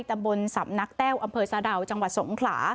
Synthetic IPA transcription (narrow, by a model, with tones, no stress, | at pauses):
jt̪a˧mbo˧nsa̰˩˦mna˦˥k̚t̪ɛː˥˩wʔa˧mpʰɤː˧saː˧da˨˧˩wt͡ɕa˧ŋwa˨˩t̪̚so˨˩˦ŋkʰla̰ː˩˦